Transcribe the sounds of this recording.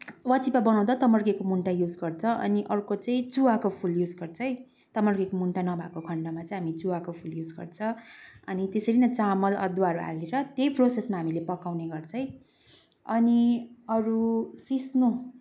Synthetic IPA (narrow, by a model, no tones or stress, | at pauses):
wʌt͡sipabʌnaw̃d̪at̪ʌmʌrɡekomuɳʈajud͡zɡʌrt͡sʰʌʔʌ̰niʔʌrkot͡sʌĩt͡suwakopʰuljud͡zɡʌrt͡sʰʌj | t̪ʌmʌrɡekomuɳʈanʌbʱakokʰʌɳɖʌmat͡sʌĩɦamit͡suwakopʰuljud͡zɡʌ̰rt͡sʰʌʌnit̪esʌɾinʌt͡samʌlʌ̰d̪wuaɦʌɾua̰leɾʌt̪jejprosesmaɦamilepʌkawneɡʌrt͡sʰʌj̃ | ʌniʌɾusisnu